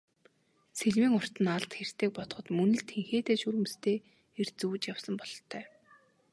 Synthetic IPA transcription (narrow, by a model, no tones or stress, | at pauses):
seɮwiːŋʊr̥t̪ə̆naɮt̪xer̥t̪eːk̚pɔt̪ɞ̆χɞ̆t̪mɵnɘ̆ɮt̪ʰeŋxeːt̪eːʃuɾɘ̆m̆st̪ʰeː | er̥t͡suːt͡ɕjawsə̆mpɔɮɞ̆ɬt̪ʰːœː